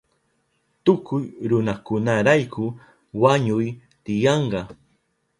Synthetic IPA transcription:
t̪ʊkʊjɾʊnakʊnaɾajkʊ | waɲʊj | t̪ɪjɑɴɢɑ

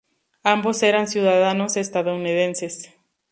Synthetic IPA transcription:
ambo̞se̞ɾansjuðaðano̞se̞st̪aðounið̞e̞nse̞s

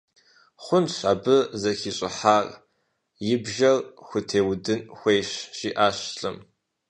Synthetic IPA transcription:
χʷʊnɕaːbɨzɐxiɕʼɪ̰ħaːrʼ | jɪbʒɐrxʷʊtʰeːwdɨnxʷejɕʒ̥iːʔaːɕɬʼɨm

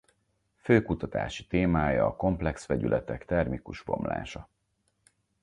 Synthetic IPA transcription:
føːkut̪ɒt̪a̰ːʃit̪eːmaːjɒːko̞mplɛksʋɛɟylʔɛt̪ɛkt̪ɛrmikuʒbo̞mla̰ːʃɒ

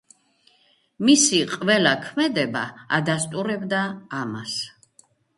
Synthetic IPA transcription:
misiqʼvɛlakʰmɛd̪ɛba̰a̰d̪ast̪ʼuɾɛbd̪aːmas

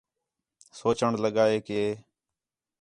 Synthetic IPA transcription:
soːt͡ʃəɳləɠaːeːkeː

